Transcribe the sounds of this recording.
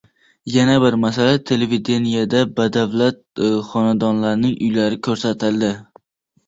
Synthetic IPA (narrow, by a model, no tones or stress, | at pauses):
janabɪɾmasalat̪ʰe̞levid̪e̞nijad̪abad̪avlat̪̚χɒnad̪ɒnlaɾnɪŋʔʊjlaɾɪkʰɵɾsat̪ʰɪlˠd̪ɪ